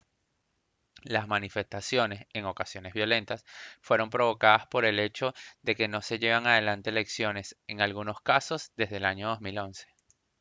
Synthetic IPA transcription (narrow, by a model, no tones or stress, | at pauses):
lazmanife̞st̪asjo̞ne̞se̞ŋo̞kasjo̞ne̞zβjo̞le̞nt̪asfwe̞ɾo̞mpɾo̞βo̞kaðaspo̞ɾe̞le̞t͡ʃo̞ðe̞ke̞no̞se̞ʝe̞β̞aŋað̞e̞lant̪eele̞ksjo̞ne̞se̞ŋalɣuno̞skaso̞zd̪e̞zðelaɲo̞ð̞o̞zmilo̞nse̥